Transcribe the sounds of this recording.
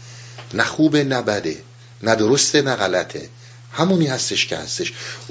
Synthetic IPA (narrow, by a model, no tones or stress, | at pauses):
næxuːbenæbæd̪ḛ | næd̪oɾost̪enæɣælæt̪ʰḛ | hæmuːniːhæst̪eʃcʰehæ̰st̪eʃ